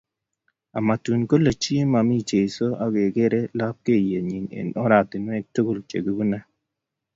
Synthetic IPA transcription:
a̰˨ma˨tu˨nko˦le˨t͡ʃi˦e˦ma˨mi˦t͡ʃe˨so˦ʔa˦ɡe˨ɡe˦ɾe˦la˦p̚ke˦˨je˨ɲi˨nḛ˨nɔ˦ɾa˨t̪i˨nwɛ˦to˦ɡo˦˨lt͡ʃḛ˨ɡu˦bu˦na˦

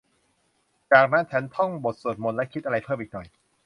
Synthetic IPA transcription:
t͡ɕaː˨˩k̚na˦˥nt͡ɕʰa˦˥nt̪ʰɔ˥˩ŋbo˨˩t̪̚su˨˩t̪̚mo˧nlɛ˦˥kʰi˦˥t̪̚ʔa˧ɾa˧jpʰɤː˥˩mʔiː˨˩k̚nɔ˨˩j

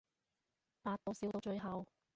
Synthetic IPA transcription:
paː˧t̚t̪ːo˨˧wsiː˨˥wt̪o˧wt͡ʃɵ˧ɥɦɐ˨w

